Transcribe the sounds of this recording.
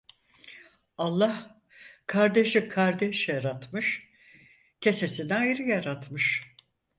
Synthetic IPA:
alˠːah | kʰaɾd̪eʃikʰaɾd̪ɛʃjaɾat̪mɯʃ | cʰe̞sesinɛajɾɯjaɾat̪mɯʃ

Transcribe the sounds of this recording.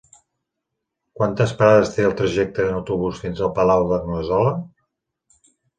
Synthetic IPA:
kwant̪əspəɾaðəst̪eəlˠt̪ɾəʒɛk̚t̪əənəwt̪uβusfinzəlˠpəlawðərnuəzɔlə

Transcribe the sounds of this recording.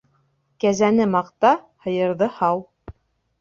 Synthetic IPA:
kæzænɘmɑqt̪ɑ | hɤ̆jɤ̆ɾðɤhɑw

